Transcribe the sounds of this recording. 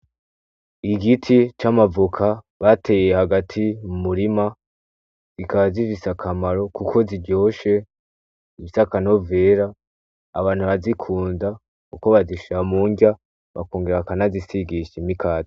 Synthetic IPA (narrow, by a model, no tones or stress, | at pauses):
iɡitʰit͡ʃamavukʰa | βate̞jehaɡatʰimumuɾima | z̥ikaβzivisakʰamaɾo̞kukʰo̞ziɾɟo̞ːʃe̞ | iβisakano̞ve̞ːɾaː | βaːn̥huβazikʰuːnza | kuko̞βaziʃamuːŋɡa | βa̰koːŋɡeɾakanazisiɡiʃimikʰaːzi